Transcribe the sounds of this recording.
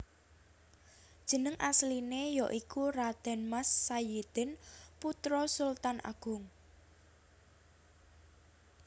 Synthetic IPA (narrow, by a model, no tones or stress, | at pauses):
d̥ʒ̥ə̤nəŋʔaslinejɔʔikurad̪̥ɛ̤nmasːajed̪̥ɛ̤nput̪ɾɔsult̪anʔa̰ɡ̥ʊŋ